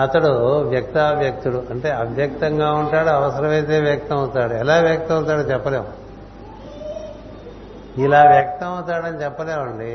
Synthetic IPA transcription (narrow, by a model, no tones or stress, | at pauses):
ɐt̪ɐɽuʋjɐk̚t̪aːʋjɐk̚t̪uluɐɳʈe̞ːɐbjɐk̚t̪ɐŋɡaːuɳʈaːɽuɐʋɐsɐɾɐmɐjt̪̬e̞ːʋjɐk̚t̪ɐmɐwt̪aːɽuɛlaːʋjɐk̚t̪ɐmɐwt̪aːɽɐt͡ʃɛpːɐleːm | ilaːʋjɐk̚t̪ɐmɐwt̪aːɽɐnit͡ʃɛpːɐleːmɐɳɖi